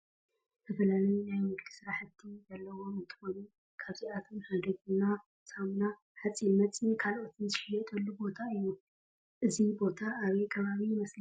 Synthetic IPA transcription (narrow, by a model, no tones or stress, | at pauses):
t̪ʰɐfɐlalɐjunajmɨɡlɨsɨɾaħɨt̪ʰːizɐlːɐwo̞mɨnt̪ʰɨ̥xonu | kʰaβziat̪ʰo̞mhad̪oɡɨna | sʼamna | ħat͡sʼːinmɐt͡sʼikʰalʔo̞t̪ʰɨnzɨʃħɨjɛt̪ʼɐlːubo̞t̪ʰaɨjːu | ʔɨzibo̞t̪ʰaʔːβejkʰɐβaβijmɐsl